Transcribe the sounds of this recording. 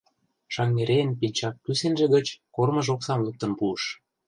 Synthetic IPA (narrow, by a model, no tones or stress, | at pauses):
ʃɑŋneɾeənpilʲt͡ɕɑp̚kysenʒĕɣə̆t͡ɕkormɤ̆ʒoksɑmlɤk̚t̪ə̆npuəʃ